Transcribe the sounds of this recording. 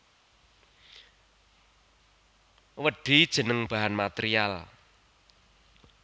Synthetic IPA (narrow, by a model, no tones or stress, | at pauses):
wəɖ̥i̤d̥ʒ̥ə̤nəŋb̥a̤ɦanmat̪eɾial